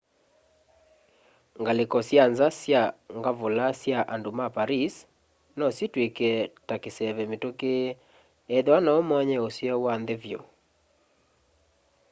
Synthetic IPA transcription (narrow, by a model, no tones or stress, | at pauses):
ŋɡalekɔsjanzasjaŋɡavolasjaʔandomapaɾis | nɔsitwekɛtakesɛβɛmetoke | ɛðanaomɔɲɛosjɛwand̪evjo̰